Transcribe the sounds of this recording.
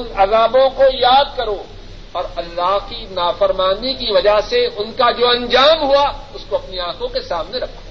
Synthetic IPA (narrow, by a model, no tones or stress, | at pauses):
nɐzaːbõkojaːd̪̚kɐɾoː | ɔːɾɐlːaːɦkinaːfɐɾmaːnikiʋɐd͡ʒaɦseʊnkad͡ʒoːɐ̃ɲd͡ʒaːmɦuaʊskoɐpniãːkʰõkesaːmneɾɐkʰːo̥ː